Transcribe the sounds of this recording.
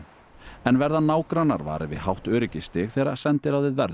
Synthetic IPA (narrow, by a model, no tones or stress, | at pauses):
ɛnvɛɾðanːaːwkɾanːa̰ɾva̰ːɾɪvɪ̰ðhawht̪œːɾɪcɪst̪ɪxθɛːɾa̰̥sɛnt̪ɪɾawðvɪðvɛɾð